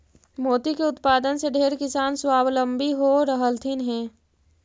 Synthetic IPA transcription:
moːt̪ikeʊt̪paːd̪ənseɖʱeːɾkɪsaːnswaːblə̃mbiɦoɾəɦəlt̪ʰɪnɦɛ̃ː

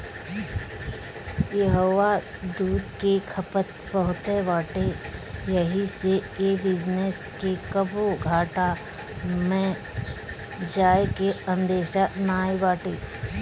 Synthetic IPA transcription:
jeɦoːʋa | d̪uːd̪kekʰəpət̪pəɦʊt̪eʋaːʈejɐɦiseeːbɪd͡ʒneskekəboɡʱaːʈa | mɛ̃ | d͡ʒaːekeə̃nd̪eːʃanaːibaːʈe

